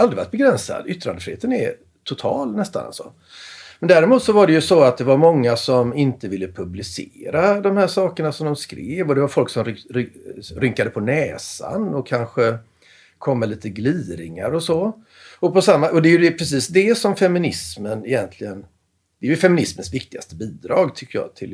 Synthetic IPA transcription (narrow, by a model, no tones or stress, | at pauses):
ald̪ɾɪva̰t̪bɛɡɾɛnsa̰d̪ʏt̪ːɾa̰nəfɾɪheːt̪ənɛ̰ | t̪ʰʊt̪ʰɑ̰ːlnɛst̪a̰na̰sɔ̰ | mɛnd̪æːɾɪmuːt̪sɔvaɖɛjɵsɔat̪̚d̪ɛvaɾmɔŋːasɔmɪnt̪əvɪlːəpʰɵblɪsḛːɾad̪ɔmhæːʂɑːkəɳasɔmd̪ɔmskɾḛːvɔd̪ɛvaɾfɔlksɔmɾɾɾʏŋkad̪əpʰɔnɛːsa̰nɔkʰːanɧə | kʰɔmːəliːt̪əɡliːɾɪŋa̰ɾɔsɔ | ɔpɔsamːaʔɔd̪ɛjɵd̪ɛpʰɾɛsiːsd̪ɛsɔmfɛmɪnɪsmənɛjɛnt̪ʰlɪɡən | d̪̥ɛjɵfɛmɪnɪsmənsvɪkt̪ɪɡa̰st̪əbiːd̪ɾɑːɡt̪ʰʏkːəjɑ̰ːt̪ʰɪl